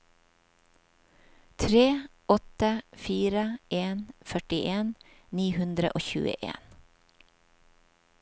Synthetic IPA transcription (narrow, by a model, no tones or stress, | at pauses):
t̪ʰɾeː | ɔt̪əfiːɾəʔeːnfœʈɪʔeːnniːhʉnd̪ɾə̰ʔoːçʉ̰ːə̰ʔḛːn